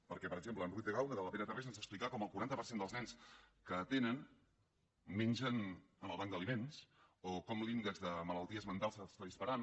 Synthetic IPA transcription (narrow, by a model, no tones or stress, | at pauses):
pəɾkɛpəɾəɡʒempləːnrut̪̚d̪əɣawnəðələpɛnət̪əresənzəksplikakɔməlˠkuɾant̪əpəɾsend̪əlˠznɛnskət̪enən | menʲʒənənəlˠβaŋɡd̪əlimensokɔmliŋɡəzðəmələlˠt̪iəzmənt̪alˠzəst̪aðispəɾan